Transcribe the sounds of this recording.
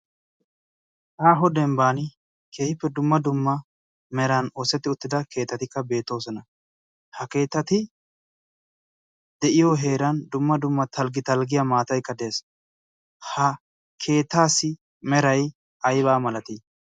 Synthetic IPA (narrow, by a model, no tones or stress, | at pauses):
ʔaːɦɔd̪ɛmbaːnɪ | kʰeːɪpːɛd̪ʊmːɐd̪ʊmːɐ | mɛɾɐnoːsɛt̪ːɪʊt̪ːɪd̪ɐkʰe̞ːt̪ːɐt̪ɪkːɐbe̞ːt̪ːo̞ːsɔnɐ | hɐke̞ːt̪ːɐt̪ɪ | d̪ɛʔɪjoːɦe̞ːɾɐnd̪ʊmːɐd̪ʊmːɐt̪ʰɐlɡɪt̪ɐlɡɪjamaːt̪ɐjkːɐd̪eːs | hɐ | kʰe̞ːt̪ːaːsːɪ | mɛɾɐj | ʔɐjbaːmɐlɐt̪i